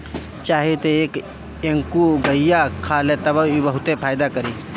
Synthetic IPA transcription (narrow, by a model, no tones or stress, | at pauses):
t͡ʃaːɦet̪eeːk | eŋkuɡəijakʰaːlet̪ɐbəibəɦʊt̪epʰaːjd̪akɐɾiː